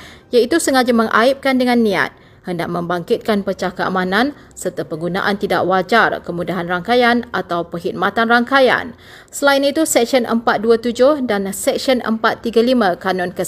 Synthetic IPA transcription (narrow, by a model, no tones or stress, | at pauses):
jait̪usəŋad͡ʒamə̃ŋʔa̰ip̚kandəŋãnːĩa̰t̪̚ | həndaʔ̚mə̃mbaŋkɪt̪̚kanpət͡ʃahkəa̰mãnãn | sərt̪apəŋɡuna̰ʔant̪ida̰ʔwad͡ʒarkəmudaɦanraŋkajanʔat̪awpəɦit̪̚mat̪anraŋkaja̰n | səlainit̪usɛk̚sənʔə̰mpat̪̚duat̪ud͡ʒʊhdansɛk̚siənʔə̰mpat̪ːiɡalimãkanɔ̃nkə